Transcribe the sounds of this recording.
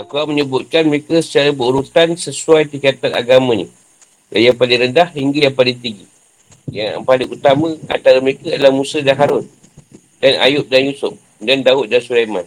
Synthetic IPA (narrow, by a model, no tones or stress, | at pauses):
ʔakaməɲəbʊt̪̚kanməɾekasə̥t͡ʃaɾabəuɾut̪ansəsuajt̪ikat̪ana̰ɡamə̃nḭ | dajaŋpalɪŋɾəndahhiŋɡajaŋpalɪŋt̪iŋɡi | japalɪŋut̪amə̃a̰nt̪aɾaməɾekaadalahmũsədaɦaɾʊn | dana̰jʊp̚danjusʊp̚ | dandaʊt̪̚dansuɾajma̰n